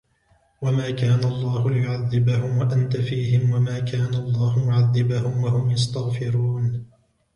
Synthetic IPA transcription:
wamaːkaːnaʔɑlˤːɑːhʊlɪjʊʕaðːɪbahʊmwaʔant̪afiːhɪmwamaːkʰaːnaʔɑlˤːɑːhʊmʊʕaðːɪbahʊmwahʊmjast̪aɣfɪɾuːn

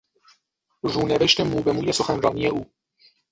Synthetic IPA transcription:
ruːneveʃt̪emuːbemuːjeso̞xænɾɒːnijeʔuː

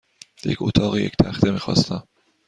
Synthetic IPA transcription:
jḛcʰo̰t̪ʰɒːɣejekt̪ʰæxt̪ʰemiːxɒ̰ːst̪æm

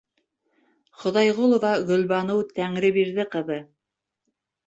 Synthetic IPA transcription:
χŏðɑjʁolˠŏvɑɡɵ̆lbɑnɤwt̪æŋɾɘbiɾðɘqɤ̆ðɤ

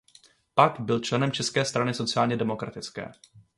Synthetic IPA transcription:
pakbɪlt͡ʃlɛnɛmt͡ʃɛskɛːst̪ɾanɪso̞t͡sɪaːlɲɛdɛmo̞kɾa̰t̪ɪt͡skɛ̰ː

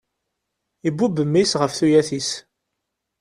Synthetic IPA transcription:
ibubəmːisʁəfθujæθis

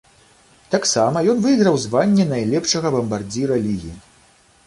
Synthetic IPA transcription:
t̪aksamɐjɔnvɨjɣɾɐwzvanʲːɛnajlʲɛpʂɐɣɐbɐmbard͡zʲiɾɐlʲiɣʲi

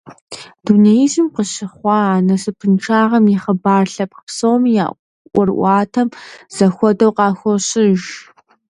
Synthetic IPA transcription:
d̥unɐjizɨmqəɕɪχʷɑːaːnɐsɨpʰɨnʈ͡ʂʰaːʁɐmjɪχəbaːrɬɐp̚psowmja̰ː | ʔʷɔrʔʷɑːtʰɐmz̥ɐxʷɔdɐwqɑːxʷɔɕɪʒ

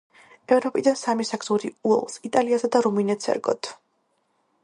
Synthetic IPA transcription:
ɛvɾɔpʼid̪ansamisaɡzuɾiuɛ̰lˠsit̪ʼaliasad̪aɾuminɛt̪sʰɛ̰ɾɡɔ̰t̪ʰ

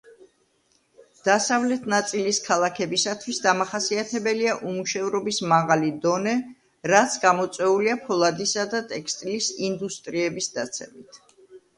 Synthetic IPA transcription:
d̪̥asavlɛt̪ʰnat̪sʼiliskʰalˠakʰɛbisat̪ʰwisd̪amaχasiat̪ʰɛbɛliaʔumuʃɛvɾɔbismaʁalid̪ɔnɛ | ɾat̪sʰɡamɔt̪sʼwɛuliapʰɔlˠad̪isad̪at̪ʼɛkʰst̪ʼilisind̪ust̪ʼɾiɛbisd̪at̪sʰɛmit̪ʰ

